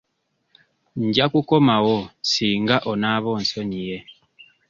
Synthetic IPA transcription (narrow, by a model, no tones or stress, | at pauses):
ɲɟakukomawosiːŋɡaʔonaβonsoɲije